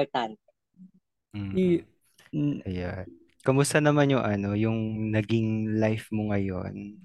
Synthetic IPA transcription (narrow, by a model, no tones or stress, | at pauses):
ɔɾt̪ant̪̚ɛ | i | ʔɐjan | kɐmʊst̪ɐnɐmanjʊŋʔɐno̞jʊŋnɐɡɪŋlajfmoŋɐjo̞̰n